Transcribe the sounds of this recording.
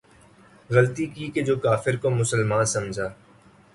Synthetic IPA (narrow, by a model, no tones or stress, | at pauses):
ɣəlt̪ikiːked͡ʒoːkaːfɪɾkomʊsəlmãːnsɐmd͡ʒʱaː